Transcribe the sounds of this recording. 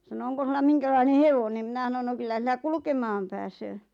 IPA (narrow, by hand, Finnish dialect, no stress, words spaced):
sɑno oŋko sulːɑ miŋkælɑine heʋonen mĭnæ s̆ɑnon no kylːæ silːæ kulŭkemɑːm pæːsøː